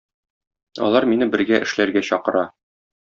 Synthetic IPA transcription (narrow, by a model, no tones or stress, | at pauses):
ɒ̰lˠɑɾminɘbɘ̆ɾɡæʔɘ̆ʃlæɾɡæɕɒqɤ̆ɾɑ